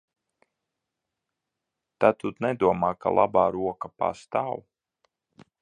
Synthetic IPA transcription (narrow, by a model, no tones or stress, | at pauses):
t̪at̪ut̪nɛd̪uɔmaːka̰lˠa̰baːɾuɔkapa̰st̪aːw